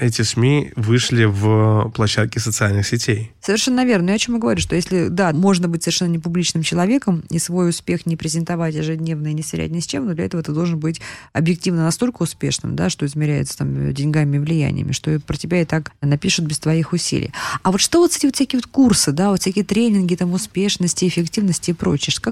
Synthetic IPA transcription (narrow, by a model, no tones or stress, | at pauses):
ɛtʲɪsmʲivɨʂlʲɪvplˠɐɕːat̪̚kʲɪsət̪sɨalʲnɨxsʲɪtʲejsəvʲɪrʂɛnːəvʲe̞rnəjaɐt͡ɕo̞məɡəvɐɾʲuʂt̪o̞jesʲlʲɪd̪amo̞ʐnəbɨtʲsəvʲɪrʂɛnːənʲɪpʊblʲit͡ɕnɨmt͡ɕɪlˠɐvʲe̞kəmḭsvo̞jʊspʲe̞xnʲɪpɾʲɪzʲɪnt̪ɐvatʲjɪʐɨdʲnʲe̞vnənʲɪsʲɪɾʲæ̰t̚ʲnʲɪsʲt͡ɕemnod̪lʲɐɛt̪əvət̪ɨd̪o̞lˠʐɨnbɨtʲɐbjɪk̚tʲivnənɐst̪o̞lʲkəʊspʲe̞̰ʂnɨ̰md̪a̰ʂt̪o̞ɪzmʲɪɾʲæjɪ̰t̪sə̥t̪a̰mdʲɪnʲɡamʲɪɪvlʲɪjæ̰nʲɪ̰jə̰mʲɪ̰ʂt̪o̞ɛt̪pɾətʲɪbʲæɪt̪aknɐpʲiʂʊt̪̚bʲɪst̪vɐixʊsʲḭlʲɪ̰jɐvo̞t̪ʂt̪ovot̪setʲɪvot̪sʲkʲɪiːvot̪kursɨd̪avot̪fsʲækʲijət̪ɾʲenʲɪnɡʲɪt̪amʊspʲeʂnəsʲtʲɪɪfʲɪktʲivnəsʲtʲɪːpɾo̞̰t͡ɕɪəʂka